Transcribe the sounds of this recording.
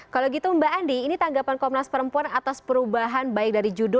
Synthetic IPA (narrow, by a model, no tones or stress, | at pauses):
kalaɡit̪uəmbaʔandiːnit̪aŋɡapankɔmnaspəɾəmpuanat̪aspəɾubaɦanbaɪk̚daɾid͡ʒudʊ